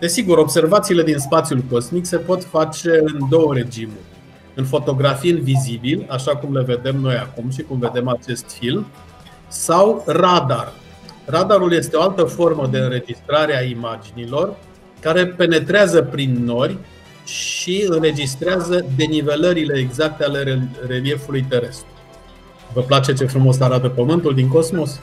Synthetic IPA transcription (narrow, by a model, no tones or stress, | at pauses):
d̪̥e̞siɡuɾo̞bse̞rvat̪siːle̞d̪inspat̪sjulko̞smikse̞po̞t̪fat͡ʃe̞ɨnd̪o̞wəɾe̞d͡ʒimurʲ | ɨnfo̞t̪o̞ɡɾafiɨnvizibilaʃakumleve̞d̪e̞mno̞jakumʃ̬ikumve̞d̪e̞mat͡ʃe̞st̪film | sawrad̪ar | rad̪aɾulje̞st̪eo̞alt̪əfo̞rməd̪e̞ɨnɾe̞d͡ʒist̪ɾaɾeaimad͡ʒinilo̞r | kaɾe̞pe̞ne̞t̪ɾeazəpɾinːo̞rʲ | ʃiɨnre̞d͡ʒist̪ɾeazəd̪e̞nive̞ləɾile̞ːɡzak̚t̪eale̞ere̞lie̞fulujt̪e̞ɾe̞st̪ɾu | vəplat͡ʃe̞t͡ʃe̞fɾumo̞s̬aɾat̪əpəmɨnt̪uld̪iŋko̞smo̞s